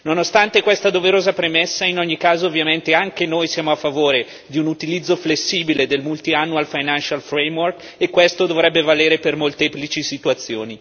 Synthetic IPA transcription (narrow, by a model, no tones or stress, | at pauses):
nonost̪ant̪ekwest̪ad̪oveɾoːzapɾemesːainoɲːikaːzoːvːjament̪eaŋk̟enojsjaːmoafːavoːɾe | d̪iunut̪ilid̪zːoflesːiːbiled̪elmult̪ianːualfajnanʃalfɾɛjmwork | ekwest̪od̪ovɾɛbːevaleːɾepermolt̪eːplit͡ʃisit̪uat̪sːjo̰ːni